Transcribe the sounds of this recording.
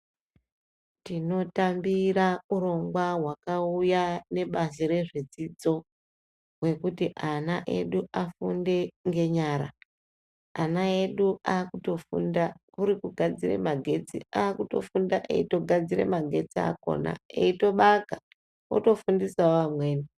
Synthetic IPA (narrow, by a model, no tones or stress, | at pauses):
tino̞tambiɾauɾo̞ŋɡwaɦwakaujane̞ɓazeɾe̞ʐed͡zid͡zo̞ | we̞kutiʔanaʔe̞̰ɗuʔafunde̞ŋɡe̞ɲaːɾa̰ | anae̞ɗuaːkuto̞fṵndakuɾikuɡʱad͡zire̞̰maɡʱe̞d͡zḭaːkuto̞̰fundaʔḛito̞ɡʱad͡ziɾe̞̰maɡʱe̞t͡sia̰ko̞̰na̰eito̞ɓaka | o̰to̞fundisaoʋamwe̞ːni